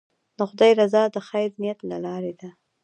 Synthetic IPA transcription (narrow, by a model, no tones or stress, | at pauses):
d̪əxʊd̪ɑjɾazɑd̪əxajɾnijat̪la̰lɑɾed̪a